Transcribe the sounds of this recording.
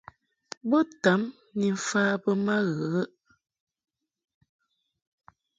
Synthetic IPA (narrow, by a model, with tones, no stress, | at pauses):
bə˦ta˨˦m | ni˨ɱ̩˨faː˦bə˦ma˦ɣə˨ə˦ʔ